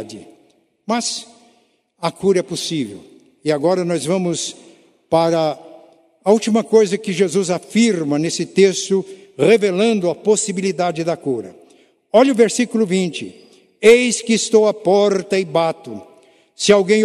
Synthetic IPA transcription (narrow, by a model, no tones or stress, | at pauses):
d͡ʒɪ | mɐz | ɐkuɾɐɛposivḛw | ɪaɡɔɾɐnɔzvɐ̃mʊs | paɾɐː | ut͡ʃimɐkojzɐkɪʒezuzafiɾmɐnesɪt̪est̪ʊ | ʁevelɐ̃nd̪ʊɐposibilid̪ad͡ʒɪd̪ɐkuɾɐ̰ | ɔʎɐʊveɾsikulʊvĩnt͡ʃɪ | ejskɪːst̪owapɔɾt̪ɐɪbat̪ʊ | sɪawɡẽj̃